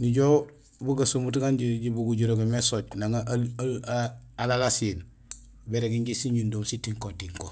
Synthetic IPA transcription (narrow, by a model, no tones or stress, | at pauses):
niɟo | buɡasumutɡanɟiɟibuɡuɟuɾoɡemesoɟnaŋa | alalasin | beɾeɡiɲɟisiɲundoːmsitiŋkotiŋko